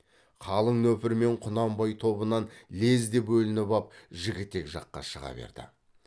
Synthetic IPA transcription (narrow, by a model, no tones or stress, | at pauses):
qʰɑlˠəɴnɵpɪɾme̞ɴqʰʊnɑmbɑjt̪ʰo̞bənɑnle̞zd̪e̞pwɵlɪnɪpɑp̚ʒɪɡʲɪt̪ːe̞kʒɑ̰qːɑ̰ʃəʁɑ̰bḛɾd̪̥ɪ̰